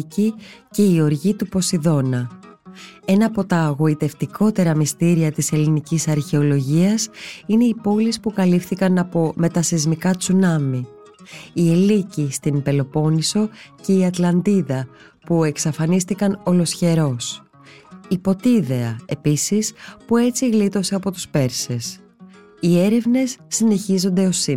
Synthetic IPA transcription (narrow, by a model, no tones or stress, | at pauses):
cice̞io̞ɾʝit̪upo̞siðo̞nɐ | e̞nɐːpo̞t̪ɐːɣo̞it̪e̞ft̪ikʰo̞t̪e̞ɾɐmist̪iɾiɐt̪ise̞linicisɐɾçe̞o̞lo̞ʝiɐsine̞ipo̞lispukɐlifθikɐnɐpo̞me̞t̪ɐsizmikɐt͡sunɐmi | ie̞licist̪impe̞lo̞po̞niso̞ce̞iɐt̪lɐnd̪iðɐ | pue̞ksɐfɐnist̪ikɐno̞lo̞sçe̞ɾo̞s | ipo̞t̪iðe̞ɐe̞pisispue̞t͡siɣlit̪o̞se̞ɐpo̞t̪u̥spe̞ɾse̞s | ie̞ɾe̞vne̞sːine̞çizo̞nd̪e̞o̞si